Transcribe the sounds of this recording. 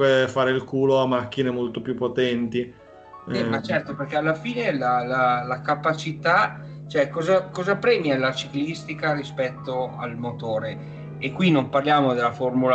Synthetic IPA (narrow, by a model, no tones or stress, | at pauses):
efaːɾeilkuːloamak̟ːinemolt̪opjupːot̪ɛnt̪i | ɛmat͡ʃɛrt̪operkɛalːafiːnelalalakapat͡ʃit̪a | t͡ʃoɛkːɔzakɔːzapɾɛːmjalat͡ʃiklist̪ikaɾispɛt̪ːoa̰lmot̪oːɾeː | kːwinːomparljaːmod̪elːaformula